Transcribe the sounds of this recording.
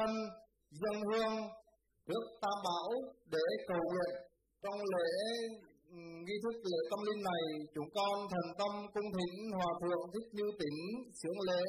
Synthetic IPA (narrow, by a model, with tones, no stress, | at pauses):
ə˧n | zə˧nhɨ˧əŋ | ɗɨ˦˥ək̚t̪aː˧mɓaː˧˦˥wɗe˧˩kə˨˩wŋwḭ˧˨ən | t͡ɕɔ˧wŋ͡mlḛ˧˥ | ŋi˧t̪ʰɨ˦˥k̚lḛ˧˥t̪ə˧mli˧nːa˨˩jt͡ɕʊ˨˦ŋ͡mkɔ˧nt̪ʰɛ˨˩ŋ̟t̪ə˧mkʊ˧ŋ͡mt̪ʰï˧˩˨ŋ̟hwaː˨˩t̪ʰɨ̰˧˨ənt̪ʰï˦˥k̚ɲɨ˧wt̪ï˨˦ŋsɨ˧˩˦əŋlḛ˧˥